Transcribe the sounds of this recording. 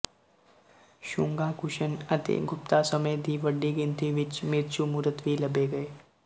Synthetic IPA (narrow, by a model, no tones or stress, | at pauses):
ʃʊ̃ŋɡakʊʃənɐt̪ḛɡʱʊp̚t̪asɐmejd̪ʱiʋəɖːiɡɪ̃nt̪iʋɪt͡ʃmɪɾt͡ʃumuɾət̪ʋilɐbeɡɐeː